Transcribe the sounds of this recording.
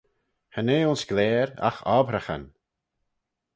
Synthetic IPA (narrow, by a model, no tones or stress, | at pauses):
həneːʊnsɡ̥lɛːɾa̰xɔbɾəxə̰n